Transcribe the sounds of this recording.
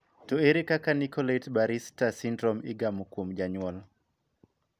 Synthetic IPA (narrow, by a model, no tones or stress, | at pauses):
toeɾekakanikɔletbaɾistasindɾɔmɪɡamokwomd͡ʒaɲwɔl